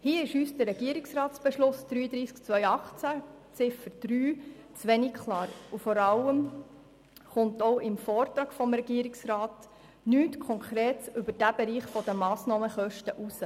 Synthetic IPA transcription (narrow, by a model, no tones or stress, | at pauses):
hiːəɪʃyːsd̥əɾɛɡ̥iəɾɪksrɑːtsb̥eʃlʊsd̥ɾyːəd̪ɾiːskt͡sʋœʏɑχt͡sæ | t͡sɪfəɾd̥ɾyːt͡sʋɛnikkʰlɑːɾufɔɾɑləm | χʊntɔʊʔɪmfɔːrtɾɑːɡ̥fɔmɾɛɡ̥iːəɾiksrɑːt | nyːtkʰɔŋkʰɾeːtʏbəɾd̥æb̥eɾiːχfɔd̥əmɑːsnɑːməχœʃtəʔusə